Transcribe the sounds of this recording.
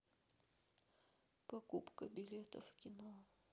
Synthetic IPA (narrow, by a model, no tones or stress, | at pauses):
pɐkupkəbʲɪlʲet̪ə̰fkʲɪno